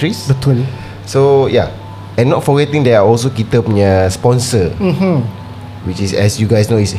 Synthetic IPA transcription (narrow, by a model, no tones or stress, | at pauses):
ɹisbət̪əli | soja | ɛ̃nːɔtfɔɡɛtĩŋdɛaɔls̬okit̪əpnəspɔ̃nsə̥ | wit͡ʃisɛ̰sjuɡajsnois